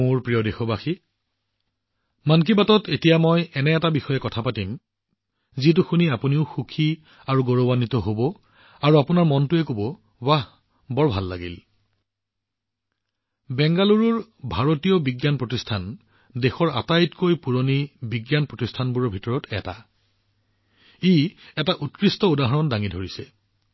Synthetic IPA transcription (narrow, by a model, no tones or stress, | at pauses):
moɹpɹijɔdexɔbaxi | mank̬ibatɔtetijamɔjɛnɛːtabixɔjɛkɔtʰapatim | zit̬uxuniapuniʊxukʰi | aɹuɡoɹɔbanitɔɦobɔ | aɹuapunaɹmɔntuɛkobɔ | bah | bɔɹbʱalːa̰ɡḭl | bɛŋɡaluɹuɹbʱaɹotijɔbiɡjanpɹotistʰan | dexɔɹa̰tajtkojpuɹonibiɡjanpɹotistʰanbuɹɔɹbʱitɔɹɔtɛta̰ | iɛtaʔutkɹistɔudaɦɔɹɔndaŋidʱoɹisɛ